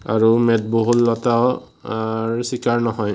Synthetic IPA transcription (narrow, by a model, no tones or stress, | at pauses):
a̰ɹumɛt̚boɦutlɔtaw | ɹsikaɹnɔɦɔj